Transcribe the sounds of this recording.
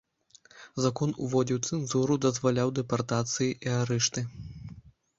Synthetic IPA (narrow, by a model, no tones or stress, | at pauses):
zakɔnuvɔd͡zʲiwt̪sɛnzuɾud̪ɐzvalʲawd̪ɛpart̪at̪sɨjiʔiaɾɛʂt̪ɨ